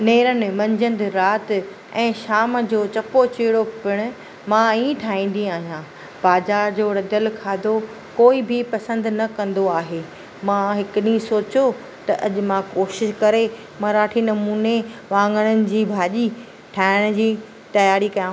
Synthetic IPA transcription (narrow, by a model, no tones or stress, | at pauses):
neːɾənɪ̆mɐ̃ɲd͡ʑə̃nd̪ɾaːt̪ | ɛ̃ːʃaːmd͡ʑoːt͡ɕɐpot͡ɕeːɽopɪɽ̃ʊ̆ | mãĩʈʰaːĩːn̆d̪iaːɦijãː | b̥aːzaːɾd͡ʑoːɾɐd̪əlkʰaːd̪ʱo | koːibʱɪpɐsə̃nd̪nɐkɐ̃nd̪oaːɦeː | mãɦɪkʊɗĩsoːt͡ɕo | t̪ɐʔɐʄʊ̆mãkoːʃɪʃkɐɾe | mãɾaːʈʰinɐmuːneʋãːŋɡəɽ̃ənɪ̆d͡ʑiːbʱaːʄi | ʈʰaːɪɽ̃d͡ʑiː | t̪ɐjaːɾikɐjãːɦ